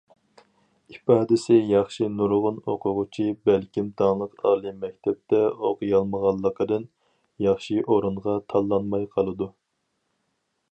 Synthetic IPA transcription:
ipɑːd̪ɪsɪjɑχʃinuɾʁʊnoqʰʊʁʊt͡ʃʰibælkʲimt̪ʰɑŋlˠəqɑ̰ːlˠɨmɛk̚ʲt̪ʰɛp̚t̪ɛoqʊjɑlˠməʁɑlˠːəqəd̪ɨn | jɑχʃiʔoɾuɴʁɑt̪ʰɑlˠːɑnmɑjqʰɑlˠɨd̪u

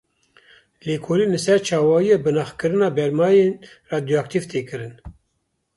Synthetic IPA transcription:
leːkʰoːliːnɨsɛɾt͡ʃʰɑːwɑːijɛbɨnɑːxkɨɾɨnɑːbɛɾmɑːjen | rɑːd̪joak̚t̪ivt̪ʰeːkɨɾɨn

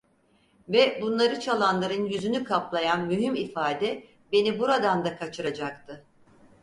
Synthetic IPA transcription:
vɛbunlˠaɾɯt͡ʃʰalˠanlˠaɾɯnjyzynykʰaplˠajanmyɦymifaːd̪ɛ | be̞nibuɾad̪and̪akʰat͡ʃʰɯɾad͡ʒakt̪ʰɯ

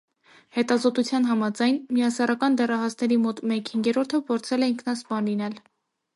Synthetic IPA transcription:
hɛt̪ɑzɔt̪ut͡sʰjɑn̪ɦɑmɑd͡zɑjnmijɑsɑɾɑkɑnd̪ɛrɑɦɑsnɛɾimɔt̪mɛkhiŋɡɛɾɔɾt̪ʰəpʰɔɾt͡sʰɛlɛiŋkʰnɑspɑnlinɛl

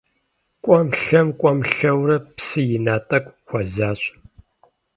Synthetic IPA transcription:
kʷʼɔmɬɐmkʷʼɔmɬɐwrɐpsɨjɪnaːtʼɐkʷʼxʷɔzaːɕʼ

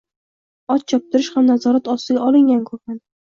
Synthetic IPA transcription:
ɒt̪̚t͡ʃʰɒp̚t̪ʰɪɾɪʃhamnazɒɾat̪ɒst̪ɪɡʲaʔɒlˠɪŋɡʲankʰɵɪn

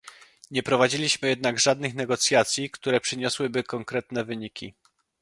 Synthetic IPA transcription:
ɲɛpɾɔvad͡ʑilʲiɕmɘjɛd̪naɡʐad̪nɘxnɛɡɔt̪sʲjat̪sʲjikt̪uɾɛpʂɘɲɔswɘbɘkɔŋkɾɛt̪nɛvɘɲikʲi

